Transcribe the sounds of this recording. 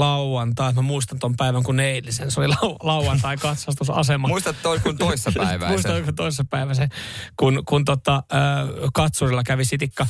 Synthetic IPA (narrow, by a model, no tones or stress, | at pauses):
ɑuwɑnt̪ɑimæmuist̪ɑnt̪ompæiʋæŋkuneilːisenseolilɑulɑuʋɑnt̪ɑiŋkɑt̪sɑst̪usɑ̰semɑmuist̪ɑt̪ːolʲkunt̪oisːɑæ̰iʋ̪̰muist̪ɑolʲkunt̪oisesɑpæiʋæsækunkunt̪ot̪ɑəːkɑt̪surilːɑkæʋisit̪ikːɑ